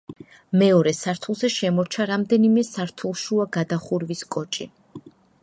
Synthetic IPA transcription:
mɛɔɾɛsaɾt̪ʰulˠzɛʃɛmɔɾt͡ʃʰaɾamd̪ɛnimɛsaɾt̪ʰulˠʃuaɡad̪aχuɾviskʼɔt͡ʃʼi

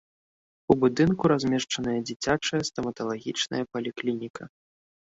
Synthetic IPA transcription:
ubud̪ɨnkuɾazʲmʲɛʂt͡ʂɐnɐjɐd͡zʲit͡sʲat͡ʂɐjɐst̪ɐmɐt̪ɐlˠaɣʲit͡ʂnɐ̰jɐpɐlʲiklʲinʲikʰɐ

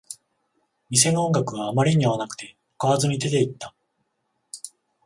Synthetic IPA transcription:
mʲis̬e̞nõ̞ŋɡakɯ̟βaːmaɾʲiɲ̟iβanakɯ̥t̪e̞ | kaβazɨɲ̟id̪e̞t̪e̞it̪ːa

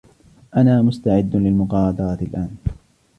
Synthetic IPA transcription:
ʔanaːmʊst̪aʕɪd̪ːlɪlmʊqɑːɾˤɑd̪ɑɾˤɑt̪ɪlʔaːn

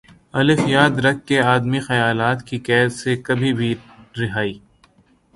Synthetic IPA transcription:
ɐlɪfjaːd̪ɾɐk̚ʰːeaːd̪mixɐjaːlaːt̪kikɛːd̪sekɐbʱibʱiɾɪɦaːiː

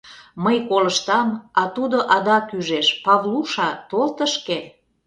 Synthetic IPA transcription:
məjkoləʃt̪ɑmɑt̪ud̪oʔɑd̪ɑkyʒeʃpɑvluʃɑt̪olt̪əʃke

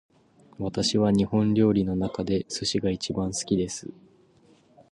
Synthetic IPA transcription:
βat̪aɕiβaɲ̟ihõ̞nɾʲo̞ːɾʲino̞nakad̪e̞sɨɕiɡait͡ɕibãɰ̃sɨ̥kʲid̪e̞sɨ̰

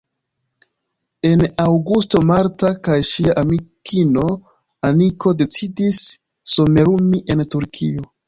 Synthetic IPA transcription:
e̞nawɡusto̞maɾtakajʃiaʔamikʰino̞ | amiko̞de̞t͡sidisː | o̞me̞ɾumiʔe̞ntuɾkʰio̞

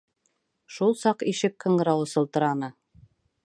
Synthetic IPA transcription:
ʃulˠsɑqiʃɘkkɤ̆ɴɢɤ̆ɾɑwɤ̆sɤ̆lˠt̪ɤ̆ɾɑnɤ

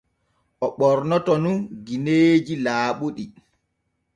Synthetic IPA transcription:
ʔɔɓɔɾnɔtɔnunɡineːd͡ʒilaːɓuɗi

